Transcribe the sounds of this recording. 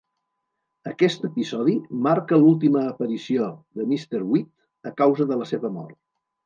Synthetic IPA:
əkɛst̪əpizɔð̞imaɾkəlulˠt̪̬iməːpəɾisioðəmist̪əɾwit̪ | əkawzəðələseβəmɔ̰rt̪̚

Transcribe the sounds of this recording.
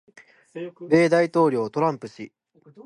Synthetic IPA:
ɾe̞ːd̪ait̪o̞ːɾʲo̞ːt̪o̞ɾãmpɯ̟ɕi

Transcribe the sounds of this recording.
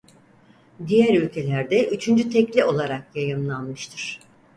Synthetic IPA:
d̪ijæɾylʲcʰe̞lʲæɾd̪ɛʔyt͡ʃʰynd͡ʒyt̪ʰɛclʲio̞lˠaɾakjajɯmlˠanmɯʃt̪ʰɯɾ̥

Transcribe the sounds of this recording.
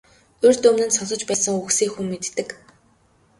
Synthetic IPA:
ɵrʲt̪ɵmnɘ̆nsɔɮɞ̆t͡ɕpæːsə̆ŋuxsiːkxumːet̪ːɘ̆k

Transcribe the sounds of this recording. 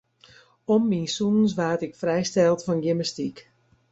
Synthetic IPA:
ɔmːinsuns̬ʋaːtɪkfrɛjstɛlˠtfɔnɡiməstik

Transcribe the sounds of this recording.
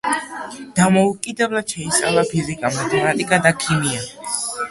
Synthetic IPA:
d̪̥amɔukʼid̪ɛblˠad̪̥ʃɛit̪sʼa̰lˠapʰizikʼamat̪ʰɛmat̪ʼikʼad̪akʰimia

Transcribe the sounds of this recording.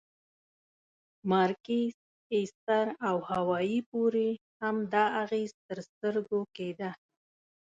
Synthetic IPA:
mɑɾkes | est̪aɾawhawɑjipoɾe | hamd̪ɑaɣezt̪əɾst̪əɾɡoked̪a

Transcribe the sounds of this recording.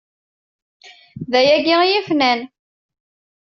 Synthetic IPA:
ðæjæɡijifnæn

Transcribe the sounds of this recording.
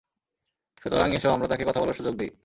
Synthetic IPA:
fet̪oɾaŋieʃeboamɾat̪akekɔt̪ʰabɔloʃud͡ʑoɡ̚d̪i

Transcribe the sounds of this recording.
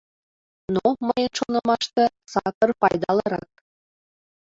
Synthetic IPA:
noməjə̆nʃonɤ̆mɑʃt̪ɤ̆sɑkɤ̆rpɑjd̪ɑlˠɤ̆ɾɑ̰k̪̚

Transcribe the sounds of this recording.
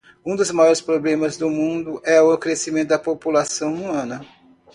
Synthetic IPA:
ũd̪ʊzmajɔɾɪspɾoblẽmɐzd̪ʊmũd̪ʊʔɛʊkɾesimẽnt̪ʊd̪ɐpopulasɐ̃w̃umɐ̃nɐ

